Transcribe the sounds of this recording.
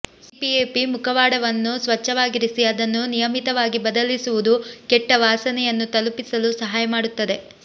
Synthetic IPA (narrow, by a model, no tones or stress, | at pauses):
pieːpimukʰɐʋaːɽɐʋɐnːusʋɐt͡ʃːɐʋaːɡiɾisiɐd̪ɐnːunijɐmit̪ɐʋaːɡibɐd̪ɐlisuʋud̪ukɛʈːɐʋaːsɐnɛjɐnːut̪ɐlupisɐlusɐɦaːjɐmaːɽut̪ːɐd̪e̞